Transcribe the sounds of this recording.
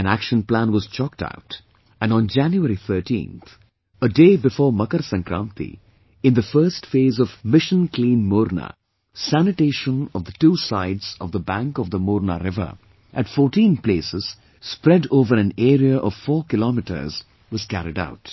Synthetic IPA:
ɨ̃næ̰kʃə̃nplæ̃nwɔz̥t͡ʃɔk̚ta̰ʊt | ɨ̃ñnd͡ʒæ̃njuɛɾiθʰəːʈḭ̃ːnt̪ | ədeːbɨfɔːmʌkəɾsə̃ŋkɾã̰nt̪ḭ | ɪ̃nðəfɜːstfeːzɔvmɪʃə̃nklĩːnmoːɾna̰ | sænɨʈeːʃə̃nɔvðətuːsaɪdz̥ʌ̰vðəbæ̃ŋkɔvðəmɔɾna̰ɾɪvə̰ | ʔɨtfɔːɾʈĩnplesɪz̥ | spɾɛdoːvəɾɨ̃nɛɾiəʔɔv̥fɔːkɪlɔmiʈə̰˞z̥ | wɔz̥kæɾida̰ʊt

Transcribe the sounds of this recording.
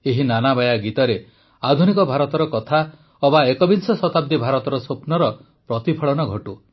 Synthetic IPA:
eɦinanabajaɡit̪ɔɾe | ad̪ʱunikɔbʱaɾɔt̪ɔɾɔkɔt̪ʰa | ɔbaekɔbinsɔsɔt̪ab̚d̪ibʱaɾɔt̪ɔɾɔsopnɔɾɔ | pɾɔt̪ipʰɔɭɔnɔɡʱɔʈu

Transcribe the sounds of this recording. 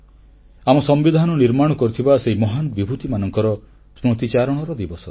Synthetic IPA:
amɔsɔmbid̪ʱanɔniɾmaɽ̃ɔkɔɾit̪ʰibaseɦimɔɦanɔbibʱut̪imanɔŋkɔɾɔ | sɾut̪it͡ʃaɾɔɽ̃ɔɾɔd̪ibɔsɔ

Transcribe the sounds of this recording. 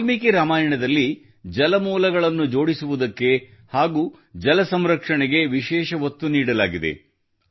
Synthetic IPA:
mikiɾaːmaːjɐɳɐd̪ɐlːi | d͡ʒɐlɐmuːlɐɡɐɭɐnːud͡ʒo̞ːɽisuʋud̪ɐkːe̞haːɡuː | d͡ʒɐlɐsɐmɾɐkʂɐɳɛɡe̞ʋiʃɛːʃɐʋɐt̪ːuniːɽɐlaːɡid̪e̞̰

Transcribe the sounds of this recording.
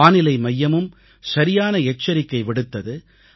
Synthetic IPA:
aːnɪlɐɪmɐjːɐmɯm | sɐɾɪjaːnɐɛt͡ʃːɐɾɪkːɐɪʋɪɽɯt̪ːɐðɯ

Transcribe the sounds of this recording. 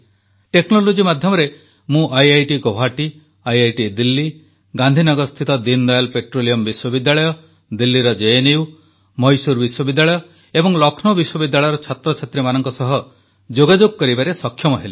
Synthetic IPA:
ʈeknolod͡ʒimad̪ʱjɔmɔɾe | mũʔajajʈikoɦaʈi | ajajʈid̪ilːi | ɡãnd̪ʱinɔɡɔɾst̪ʰit̪ɔd̪ind̪ɔjalpeʈɾolijɔmbiswɔbid̪ːjaɭɔjɔ | d̪ilːiɾɔd͡ʒeeniu | mɔjsuɾbiswɔbid̪ːjaɭɔjɔ | ebɔŋlɔkʰnɔbiswɔbid̪ːaɭɔjɔɾɔt͡ʃʰat̪ɾɔt͡ʃʰet̪ɾemanɔŋkɔsɔɦɔ | d͡ʒoɡad͡ʒoɡ̚kɔɾibaɾesɔkʰːjɔmɔɦeli

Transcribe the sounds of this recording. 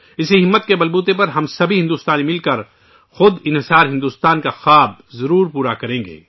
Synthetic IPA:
ɪsiɦɪmːət̪̚kebɐlbuːt̪̬ep̬ɐɾɦɐmsɐbʱiɦɪ̃nd̪uːst̪aːnmɪlkɐɾ | xʊd̪ɪnɦɪsaːɾɦɪ̃nd̪uːst̪aːnkaxaːb̚zɐɾuːɾpuːɾakɐɾẽːŋɡḛː

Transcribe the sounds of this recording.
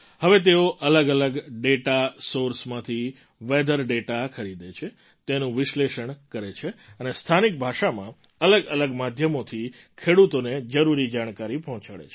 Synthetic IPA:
həʋet̪eoʔələɡələɡɖeʈasoɾsmãt̪ʰi | ʋed̪əɾɖeʈakʰəɾid̪et͡ʃʰe | t̪enũʋɪʃleʃəɳkəɾet͡ʃʰeənest̪ʰanik̚bʱaʃamã | ələɡələɡmad̪ʱjəmot̪ʰi | kʰeɽut̪oned͡ʒəɾuɾid͡ʒaɽ̃kaɾipɔɦɔ̃t͡ʃaɭḛt͡ʃʰe̥

